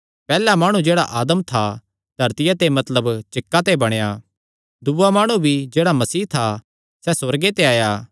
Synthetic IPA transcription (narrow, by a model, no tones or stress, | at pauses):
pɛːlamaːɽ̃ũd͡ʒeːɽa̰ʔaːd̪əmt̪ʰa | d̪ʱɐɾt̪ɪjat̪emɐt̪ləbt͡ʃɪkːat̪̬ebɐɽ̃ejaː | d̪uːamaːɽ̃ũbʱid͡ʒeːɽamɐsiːɦt̪ʰa | sɛswɐɾɡet̪eaːjaː